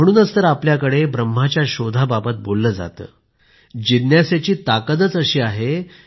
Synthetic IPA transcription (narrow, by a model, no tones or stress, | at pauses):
məɽ̃uːnəst̪əɾapljakəɽebɾəm̤ːat͡ɕjaɕod̪ʱababət̪̚bolːəːd͡za̰t̪ə̰ː | d͡ʑid̪njasjat͡ɕiːt̪akəd̪ət͡səɕiːaɦe